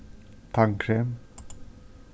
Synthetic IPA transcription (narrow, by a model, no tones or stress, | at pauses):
t̪ʰaŋkʰɾɛm